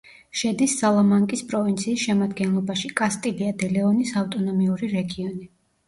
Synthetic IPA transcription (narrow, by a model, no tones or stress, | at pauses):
ʃɛd̪isːalˠamaŋkʼispʼɾɔvint̪sʰiːsʃɛmad̪ɡɛnlˠɔbaʃikʼast̪ʼiliad̪ɛlɛɔnisaft̪ʼɔnɔmiuɾiɾɛɡiɔni